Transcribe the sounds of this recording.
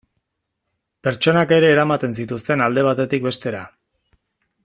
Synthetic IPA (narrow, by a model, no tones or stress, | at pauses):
pe̞ɾt͡ʃo̞nake̞ɾe̞ːɾamat̪e̞nsit̪ust̪e̞nald̪e̞β̞at̪e̞t̪ik̚be̞st̪e̞ɾa̰